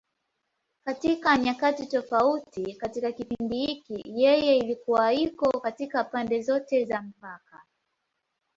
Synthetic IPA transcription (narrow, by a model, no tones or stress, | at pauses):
katikaɲakatitɔfautikatikakipindihikijɛjɛilikuwaikɔkatikapandɛzɔtɛzam̩paka